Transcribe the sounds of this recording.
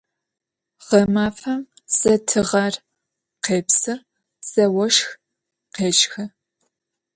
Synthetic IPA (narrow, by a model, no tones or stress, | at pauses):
ʁ̥ɐmaːfɐm | sɐtʰɨʁɐr | qeːpsɨr | sɐwɔʃx | qeːt͡ʃxɐ